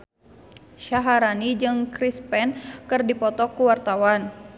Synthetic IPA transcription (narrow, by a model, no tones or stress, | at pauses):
ʃaɦaɾanid͡ʒɨŋkɾispɛnkɨrdipɔt̪ɔkuwart̪awan